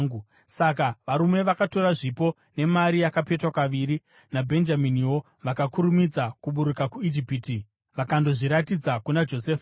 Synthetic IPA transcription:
ŋɡu | sakaʋaɾume̞ʋakato̞ɾaʐipo̞ | ne̞maɾijakape̞twakaʋiɾi | nabʱe̞nd͡ʒaminiwo̞ | ʋakakuɾumid͡zakuɓuɾukakuid͡ʒipiti | ʋakando̞ʐiɾatid͡zakunad͡ʒo̞seːfa

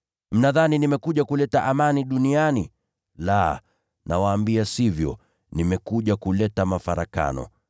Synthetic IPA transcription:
m̩naðaninimɛkuʄakulɛtaʔamaniɗuniani | la | nʔawaːmbiasivjɔ̰ | nimɛkuʄakulɛtamafaɾaka̰nɔ̰

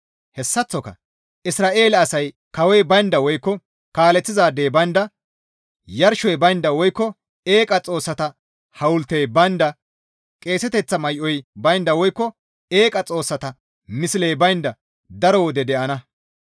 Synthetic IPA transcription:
hɛsːɐt͡sːɔkɐ̰ | ʔɪsɾaːʔe̞ːlɐɐsɐj | kɐwɔjbɐjnd̪ɐwɔjkːɔ | kaːlɛt͡sːɪzaːd̪eːbɐjnd̪ɐ | jɐɾʃɔjbɐjnd̪ɐwɔjkːɔ | e̞ːkʼɐt͡sʼo̞ːsːɐt̪ɐ | hɐwʊlt̪ːejbɐjnd̪ɐ | kʼe̞ːsɛt̪ɛt͡sːɐmɐjʔɔjbɐjnd̪ɐwɔjkːɔ | e̞ːkʼɐt͡sʼo̞ːsːɐt̪ɐ | mɪsɪlejbɐjnd̪ɐ | d̪ɐɾɔwɔd̪ɛd̪ɛʔɐnɐ

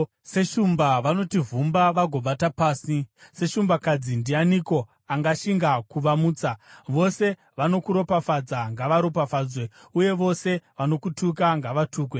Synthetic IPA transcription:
se̞ʃumbaʋano̞tivumbaʋaɡʱo̞ɓatapaːsise̞ʃumbakad͡zindianiko̞ | aŋɡaʃiŋɡakuʋamuːt͡saʋo̞se̞ | ʋano̞kuɾo̞pafad͡zaŋɡaʋaɾo̞pafaːd͡zwe | uje̞ʋo̞se̞ʋano̞kutʰukaŋɡaʋatʰuːkwe

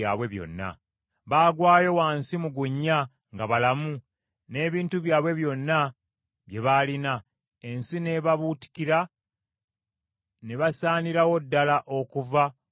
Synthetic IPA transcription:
a̰ːβwe̞βjo̞̰nːa̰ | βaːɡwaːjo̞waːnsimuɡuɲːa | ŋɡaβalamu | ne̞ːβiːntuβjaːβwe̞βjo̞nːa | βje̞βalina | e̞nsine̞βaβuti̥kiɾa | neβasaːniɾawo̞dːalaʔo̞kuva

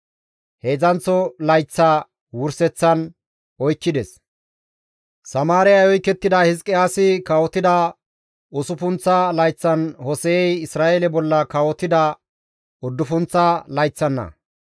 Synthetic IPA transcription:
he̞ːzɐnt͡sːɔlɐjt͡sːa | wʊɾsɛt͡sːɐn | ɔjkːɪd̪ɛs | sɐmaːɾɪjɐjɔjkːɛt̪ːɪd̪ɐhɪskʼːɪaːsɪkɐwɔt̪ɪd̪ɐ | ʊsʊfʊnt͡sːɐlɐjt͡sːɐnhɔsɛɛjɪsɾaːʔelɛbɔlːɐkɐwɔt̪ɪd̪ɐ | ɔd̪ːʊfʊnt͡sːɐlɐjt͡sːɐnːɐ̰

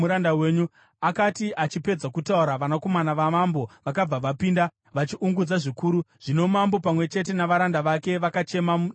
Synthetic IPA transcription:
uɾandawe̞ːɲu | akatiʔat͡ʃipe̞d͡zakutauɾaʋanako̞manaʋamambo̞ʋakab͡vaʋapiːnda | ʋat͡ʃiʔuŋɡud͡zaʐikuːɾuʐ̥ino̞mambo̞pamwe̞t͡ʃe̞t̬e̞naʋaɾandaʋake̞ʋakat͡ʃe̞ma

